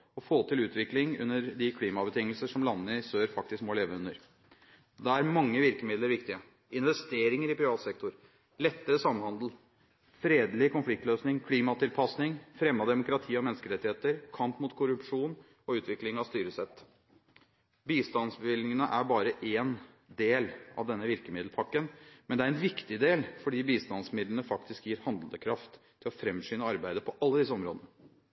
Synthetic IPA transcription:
ɔfoːt̪ʰɪlʉːt̪ʋɪklɪŋʉ̰nːəɾd̪ɪkʰliːmɑbət̪ɪŋːəlsəʂɔmlɑnːəɪsøːɾfɑk̚t̪ɪskmoːleːʋəʉnːəɾ | d̪ɛæɾmɑŋːəʋɪɾkəmɪd̪ləɾʋɪkt̪ɪə | ɪnʋɛst̪eːɾɪŋəɾɪpʰɾɪʋɑːt̪sɛk̚t̪ʊɾ | lɛt̪ːəɾəsɑmːhɑnd̪l̩ | fɾeːd̪lɪkʰʊnflɪk̚t̪løːsnɪŋkʰliːmɑt̪ɪlpʰɑsnɪŋfɾɛmːɑd̪ɛmʊkɾɑt̪ʰiːɔmɛnːəskəɾɛt̪ːɪheːt̪əɾkʰɑmpmʊt̪kʰʊɾʉpʂuːn | ɔʉːt̪ʰʋɪklɪŋɑʋst̪yːɾəsɛt̪ː | biːst̪ɑnsbɪlɪŋənəʔæɾbɑːɾəʔeːn | d̪eːlʔɑ̰ʋd̪ɛnːəʋɪɾkəmɪd̪l̩pʰɑkːənmɛnd̪ɛæɾɛnʋɪkt̪ɪd̪eːlfɔɖiːbiːst̪ɑnsmɪd̪lənəfɑk̚t̪ɪskjiːɾhɑnd̪l̩d̪əkʰɾɑft̪ʰːɪlɔfɾɛmʂyːnəɑɾbæɪd̪əpʰɔʔɑlːəd̪ɪs̬ːəɔmɾoːd̪ənə

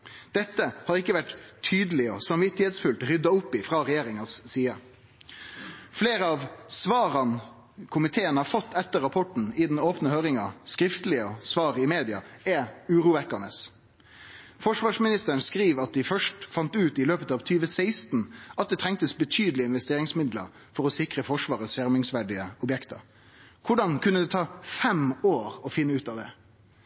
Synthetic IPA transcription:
d̪̥ɛt̪ːəhɑɾɪkːəʋæʈt̪ʰyːd̪əlɪɔsɑmʋɪt̪ːɪheːt̪sfʉlt̪ɾʏd̪ɑʊpːɪfʁɑːɾɛjeːɾɪŋɑsːiːɑ | fleːɾəɑʋsʋɑːɾɑn | kʰʊmɪt̪ʰeːənhɑːɾfɔt̪ːɛt̪ːəɾːɑpʰɔʈn̩ɪd̪n̩oːpnəhøːɾɪŋɑskɾɪft̪lɪəɔsʋɑːɾɪmeːd̪ɪɑ̰ɛʉːɾuːʋɛkːənəs | fɔʂʋɑːʂmɪnɪst̪əɾən̩skɾiːʋɑt̪̚d̪ɪfœʂʈfɑnt̪ʉːt̪ɪløːpət̪ɑːʋt̪ʰyːʋəsæɪst̪n̩ʔɑt̪̚d̪ɛt̪ʰɾɛŋk̚t̪əsbət̪ʰyːd̪l̩ɪəɪnʋɛst̪eːɾɪŋsmɪd̪lə̰ɾ | fɔɾɔsɪkʁəfɔʂʋɑːʁəsjæɾmɪŋsʋæɖɪəɔbjɛkt̪ʰə̰ɾ | kʰʊɖɑnkʰʉnːəd̪ɛt̪ʰɑːfɛmoːɾɔfɪnːəʉːt̪ɑʋd̪ɛ̰

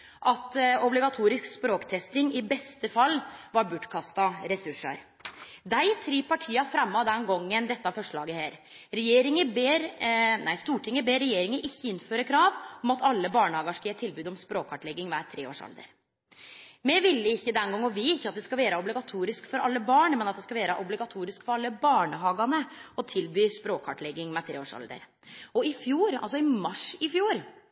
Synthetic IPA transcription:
ʔɑt̪ɔblɪɡɑt̪ʰuːɾɪskspɾoːkt̪ʰɛst̪ɪŋɪbɛst̪əfɑlːʋɑɾbʉʈkʰɑst̪ɑɾɛsʉʂɑ̰ɾ | d̪æɪt̪ʰɾiːpʰɑʈʰiːɑfɾɛmːɑd̪ɛnɡɔŋːənd̪ɛt̪ːəɑfɔʂɭɑ̰ːɡəheːɾ | ɾɛjeːɾɪŋəbeːɾnæɪst̪uːʈʰɪŋəbeːɾɛjeːɾɪŋəʔɪçːəɪnːføːɾəkʰɾɑːʋɔmɑt̪ʰɑlːəbɑːɳəhɑːɡɑʂkɑjæːʈ̪ʰɪlbʉːd̪ɔmspɾoːkʰɑʈlɛɡːɪŋʋæːɾt̪ʰɾeːo̰ːʂɑ̰ld̪ə̰ɾ | mɛʋɪlːəɪçːəd̪ɛnɡɑŋːɔʋɪːɪçːəɑt̪̚d̪ɛskɑlʋeːɾəɔblɪɡɑt̪ʰuːɾɪskfɔɾɑ̰lːəbɑːɳmɛnɑt̪̚d̪ɛskɑʋeːɾəʔɔblɪɡɑt̪ʰuːɾɪskfɔɾɑlːəbɑːɳəɦɑːɡɑnəɔt̪ʰɪlbyːspɾoːkʰɑʈlɛɡːɪŋmɛt̪ʰɾeːoːʂɑ̰ld̪ə̰ɾ | ɔɪfjuːɾɑ̰ls̬ɔɪmɑʂɪfjuːɾ

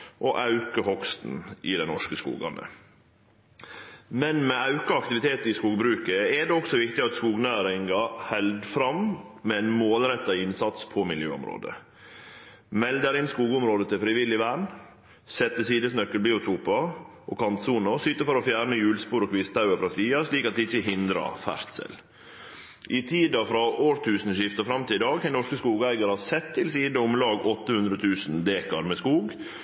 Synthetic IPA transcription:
ʔoʔɑʉkəhɔkst̪n̩ɪd̪ɛnɔ̰ʂkəskṵːɡɑ̰nə̰ | mɛnmɛɑʉkɑɑk̚t̪ɪʋɪt̪ʰeːt̪ɪskuːɡbɾʉːkəɛɖ̪ɛːɔksɔʋɪkt̪ɪɑt̪skuːɡnæːɾɪŋɡɑhɛld̪fɾɑmmɛɛnmoːlɾɛt̪ːɑɪnsɑt̪spʰɔmɪljø̰ːɔ̰mɾo̰ːd̪ə̰ | mɛld̪əɾɪnskuːɡʊmɾoːd̪ət̪ʰɪfɾɪʋɪlːɪʋæːɳ | sɛt̪ːəsiːd̪əsnœkːəlbiːʊt̪ʰuːpɑʔo̰ːkʰɑnt̪suːnəsʏt̪ːəfɔɾɔfjæɾɳəjʉːlspuːɾokʰʋɪst̪ʰɑʉəfɾɑsiːɑʂliːkɑt̪̚d̪ɪɪçəɦɪnd̪ɾɑ̰fæ̰ɾt̪sɛ̰l | ʔɪt̪ʰiːd̪ɑfɾɑʔoːɾt̪ʰʉːsn̩əʃɪft̪ɑfɾɑmt̪ɪlɪd̪ɑːɡhɛɪnɔʂkəskuːɡæɪɡɑɾɑsɛt̪ʰːɪlsiːd̪əʊmlɑːɡɔt̪ːəhʉnd̪ɾət̪ʰʉːsnd̪eːkɑɾmɛːskuːɡ

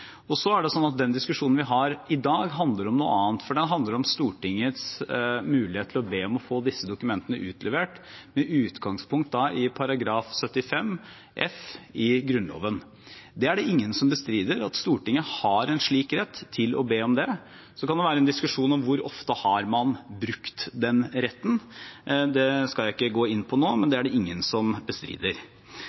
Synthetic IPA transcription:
ɔsɔæɖɛsɔnːɑt̪̚d̪ɛnd̪ɪskʉʂuːnn̩ʋɪɦɑɾɪd̪ɑːɡɦɑnd̪ləɖɔmnuːə̰ɑːnt̪fɔɖɛnɦɑnd̪ləɾɔmst̪uːʈɪŋːət̪smʉːlɪheːt̪ʰlɔbeːɔmɔfoːd̪ɪsːəd̪ʊkʉmɛnt̪ənəʔʉːt̪ʰlɛʋeːʈmɛʔʉːt̪ɡɑŋspʰʊŋkt̪̚d̪ɑʔɪpʰɑɾɑɡɾɑːfsœt̪ːɪfɛm | ʔɛfɪɡɾʉnlo̰ːʋən | d̪ɛæɖɛɪŋːənsɔmbəst̪ɾiːd̪əɾɑt̪st̪uːʈɪŋːəhɑɾɛnʂɭiːkɾɛt̪ʰːɪlɔ̰beːɔmd̪ɛ | sɔkʰɑnd̪ɛʋæːɾəɛnd̪ɪskʉʂuːnɔmʋʊɾɔ̰ft̪əhɑɾmɑnbɾʉkt̪d̪ɛnɾɛt̪ːən | d̪ɛskɑljæɪɪkːəɡoːɪnːpʰɔnoːmɛnd̪ɛæɖɛɪŋːənsɔmbəst̪ɾḭːd̪əɾ

